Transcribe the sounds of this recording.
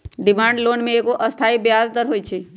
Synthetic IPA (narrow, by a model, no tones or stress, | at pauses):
ɖɪmãːɳɖloːnmẽekoʔəst̪ʰaibjazd̪əɾɦoːjt͡ʃʰe